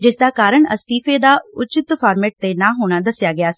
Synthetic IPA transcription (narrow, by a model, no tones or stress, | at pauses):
d͡ʒɪsd̪aːkaːɾəɳə̰st̪iːpʰeːd̪aːʊt͡ʃɪt̪pʰaːɾmeːʈ̚t̪eːnãːɦoːɽ̃aːd̪əsɪjaːɡɪaːs